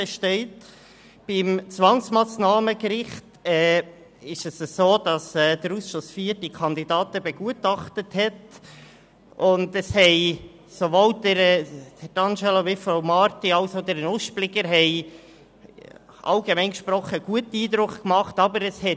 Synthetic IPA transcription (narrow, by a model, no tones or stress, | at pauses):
əʃtɛɪt | b̥ɪmt͡sʋɑŋsmɑːsnɑːməkɾɪχtɛː | ɪʃəsəsoːd̥ɑsɛːd̪əɾusʃosfiːəɾdikʰɑnd̪idɑːtəbɛɡ̥uətɑχtəthɛt | ʊndəshɛɪ | sovoldəɾd̥əɾd̥ɑnʃɛloʋɪfoʊmɑɾtiɑʊsoʊdɛɾənʊʃplɪɡəɾɦɛɪ | ʔɑ̰lɡemɛɪnkʃpɾɔχəɡ̥uətəiːd̪ɾʊkkmɑχtɑbəɾəshɛ